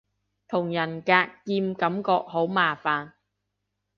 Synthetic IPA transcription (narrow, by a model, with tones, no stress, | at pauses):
t̪ʰʊ˨˩ŋjɐ˨˩nkaː˧kːiː˧mkɐ˨˥mkɔː˧k̚ɦo˨˥wmaː˨˩faː˨n